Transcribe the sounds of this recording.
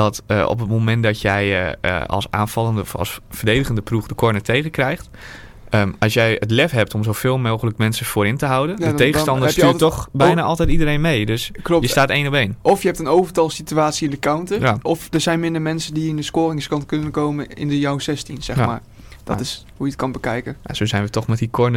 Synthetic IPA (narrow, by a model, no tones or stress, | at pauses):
d̥ɔtəɔ̰p̬ətmomɛntdɔtjɛjə̰ɑ̰lˠsa̰ːnfɑlˠəndəfɔ̰lˠsfərdejdəɣəndəpruxdəkʰɔɹnətʰejɣəkrɛjxt | əɑlˠsjɛjətlɛfɦɛp̚tɔmzowfeːlˠmowxələkmɛnsəfoːɾɪntəɦawdəndətejɣstɑndəstyːtɔxbɛjnaːʔɔlˠtɛjtidərɾejnmejdøsklɔjəstaːtejnɔpejnʔɔfjəɛp̚tənowvərtɑlˠsityaːtsiɪndəkawntəjaʔɔfdərzɛjnmɪndərmɛnsəndiɪndəskoːrɪŋskɑntkønənkowməɪ̰ndəjawsɛstinsɛxma̰ːr | d̥ɔ̰tɪs | hujətkɑnbəkɛjkəa̰soːzɛjnʋətɔxmɛt̚dikʰɔɹnə